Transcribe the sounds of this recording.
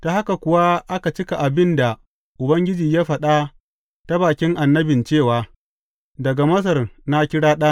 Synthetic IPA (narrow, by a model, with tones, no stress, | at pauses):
ta˨ha˦ka˨kʷʊ˨wa˦ʔa˦ka˨t͡ʃɪ˦ka˨ʔa˨bɪ˦nda˨ | ʔʊ˨bɐ˦ŋɡʲɪ˦d͡ʒiː˨jaː˦ɸɐ˨ɗa˦ | ta˦baː˨kʲɪ˦ŋʔa˨nːɐ˦bɪ˨nt͡ʃeː˦˨waː˨ | dɐ˨ɡa˨mɐ˦s̬ɐ˨rna˦kʲɪ˦ɽaː˦ɗaː˦